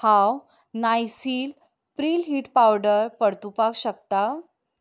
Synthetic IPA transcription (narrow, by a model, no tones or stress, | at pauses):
haw | najsiːl | pɾilɦiʈpawɖəɾpəɽt̪upakɕəkt̪a